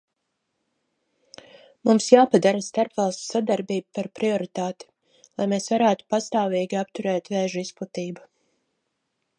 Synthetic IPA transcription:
mumsjaːpad̪aɾast̪aɾpvalˠst̪sad̪aɾbiːbupaɾpɾiɔɾit̪aːt̪i̥ | lˠajmeːsvaɾæːt̪u̥past̪aːviːɡʲiapt̪uɾɛːt̪vɛːʒuisput̪iːba

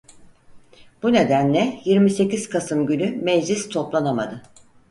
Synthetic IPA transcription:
b̥une̞d̪ænlʲɛjiɾmise̞ciz̥kʰasɯmɟynymed͡ʒlʲist̪ʰo̞plˠanama̰d̪ɯ

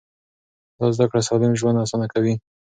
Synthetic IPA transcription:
d̪ɑzd̪akɽasɑlɪmʒwand̪asɑnakawi

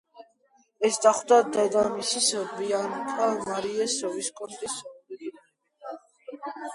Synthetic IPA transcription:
ɛsd̪ʼaχwd̪ad̪ad̪amisisəbiankʼamaɾiɛsɔviskʼɔnt̪ʼisɔ

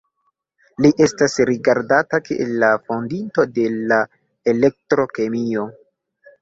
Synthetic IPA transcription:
liʔe̞stasɾiɡaɾdatakiʔḛlːafo̞ndinto̞de̞la | elek̚tɾo̞ke̞mio̞

